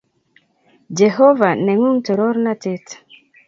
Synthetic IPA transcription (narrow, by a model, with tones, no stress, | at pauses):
d͡ʒe˨ɦo˦va˨ne˨ŋu˦ŋtɔ˨ɾo˦ɾna˦te˦t